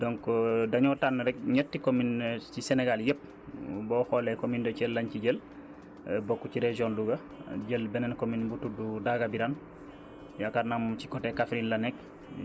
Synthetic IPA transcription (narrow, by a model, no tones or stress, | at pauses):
dɔŋkdaɲɔtanːɾɛk̚ɲɛtːikomint͡ʃisenɛɡaljep̚ | bɔːhɔlɛkomindɔt͡ʃɛlːaɲciɟel | bokːuciɾed͡ʒiɔnluɡa | ɟelbɛnɛnkominbutududaɡabiɾan | jakaɾnamt͡ʃi̥kɔtːɛkafɾinlanɛk̚